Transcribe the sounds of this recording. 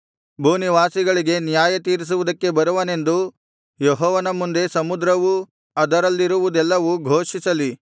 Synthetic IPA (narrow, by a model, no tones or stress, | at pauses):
bʱuːniʋaːsiɡɐɭiɡe̞nijaːjɐt̪iːɾis̬uʋud̪ɐkːe̞bɐɾuʋɐne̞nd̪u | jɔɦɔːʋɐnɐmund̪e̞sɐmud̪ɾɐʋu | ɐd̪ɐɾɐlːiɾuʋud̪ɛlːɐʋuɡʱoːʂisɐli